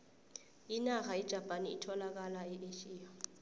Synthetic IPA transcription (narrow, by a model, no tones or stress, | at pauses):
inaxajid̥ʒ̥ʱapʼaniitʰɔlak̬alaɛʔeʃiːa